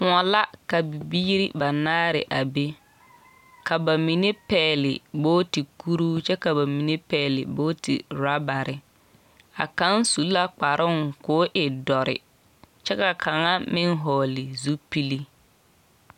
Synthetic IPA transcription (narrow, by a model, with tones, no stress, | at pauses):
kʊ̃˨ɔ˨la˦ka˨bi˨biː˦ɾi˦ba˨naː˦ɾɪ̰˨ʔa˨be˦ | ka˨ba˨mi˨ne˦pɛː˨lɪ̰˨boː˦ti˨ku˦ɾuː˦t͡ʃɛ˦ka˨ba˨mi˨ne˦pɛː˨lɪ̰˨boː˦tḭ˨ɾa˦ba˨ɾɪ˨ | a̰˨ka˦nsu˨˦lla˦k͡pa˨ɾʔʊ˦ŋkʊː˦ʔɪ˨dɔ˨ɾɪ̰˨ | t͡ʃɛ˦ka˨kʰa˨ŋa˦mɪ˦ŋ˦ɦɔː˨lɪ˨zu˦pi˦li˦